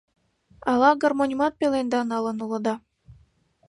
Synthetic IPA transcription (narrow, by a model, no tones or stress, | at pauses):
ɑlɑɡormonʲimɑt̪̚pelend̪ɑnɑlɤ̆nulɤ̆d̪ɑ